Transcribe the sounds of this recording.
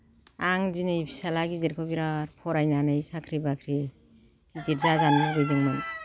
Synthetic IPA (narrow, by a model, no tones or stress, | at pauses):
aŋzinɯipʰi̥salaɡidiɾkʰɔbiɾaɾpʰɔɾajnanɯjsakʰɾibakʰɾi | ɡ̥idiɾzazanbɯdɯjdɯŋmɯn